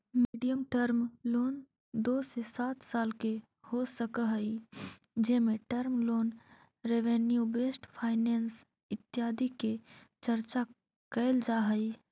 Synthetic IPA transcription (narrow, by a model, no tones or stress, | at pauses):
miːɖijəmʈəɾmloːn | d̪oːsesaːt̪saːlke | hosəkəɦəi | d͡ʒeːmẽʈəɾmloːn | ɾeːʋenjubeːsʈpʰaːɪneːns | ɪt̪jaːd̪iket͡ʃəɾt͡ʃa | kəɪld͡ʒaːɦəi